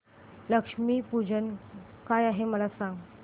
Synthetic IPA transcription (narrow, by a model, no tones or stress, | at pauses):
ləkʂmiːpud͡ʑən | kajaɦeməlasãŋɡ